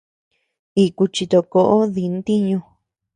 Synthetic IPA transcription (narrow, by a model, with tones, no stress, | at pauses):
i˧ku˧t͡ʃi˧t̪o˧ko˧ʔo˦ði˧n˦t̪i˦ɲũ˧